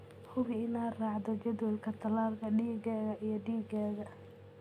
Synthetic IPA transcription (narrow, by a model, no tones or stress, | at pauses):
hʊβɪɪnaːrɑːʕd̪ɔd͡ʒɐðɔlkʰɐt̪ʰɐlaːlkʰɐɖiːɣɛːɣɐʔijɞɖiːɡɛːɣɐ